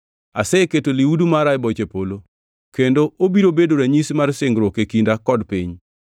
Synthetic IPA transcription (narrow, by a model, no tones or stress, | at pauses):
a̰sɛketoliwudumaɾaɪbɔt͡ʃepolo | kendoʔobiɾobedoɾɛɲismarsɪŋɡɾwɔkekindakɔdpiɲ